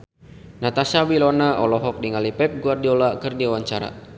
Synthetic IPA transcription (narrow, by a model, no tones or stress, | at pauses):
nat̪asabilɔnaʔɔlɔɦɔk̚diŋalipɛp̚ɡuardiɔlakɨrdiawaɲt͡ʃaɾa̰